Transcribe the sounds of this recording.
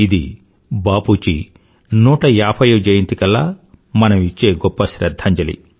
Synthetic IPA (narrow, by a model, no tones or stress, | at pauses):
id̪ḭ | baːpuːt͡ʃḭ | nuːʈɐjaːpʰɐjɐd͡ʒɐjint̪ikɐlːamɐnɐmit͡ʃːe̞ːɡɔpːɐʃɾɐd̪ʱːɐɲt͡ʃɐlḭ